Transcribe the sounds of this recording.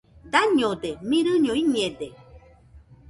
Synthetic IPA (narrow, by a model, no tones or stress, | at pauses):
d̪aɲod̪emĩɾɨɲoiɲẽd̪e